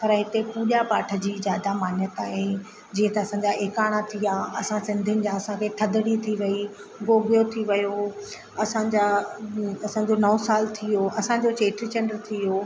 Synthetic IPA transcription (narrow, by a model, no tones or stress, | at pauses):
pɐɾɦɪt̪epuːʄapaːʈʰə̆d͡ʑiːzjaːd̪amaːnjət̪aːɦe | d͡ʑiːə̃t̪ɐɐsãɲd͡ʑaʔeːkaːɽ̃at̪ʰijaɐsãsɪ̃nd̪ʱɪənɪ̆d͡ʑãɐsãkʰeːt̪ʰɐd̪əɽit̪ʰiʋɐi | ɡoːɡijot̪ʰiʋɐjo | ɐsãd͡ʑa | ɐsãːd͡ʑonɐːsaːlt̪ʰijoɐsãd͡ʑot͡ɕeːʈɾit͡ɕəɳɖəɾt̪ʰijoː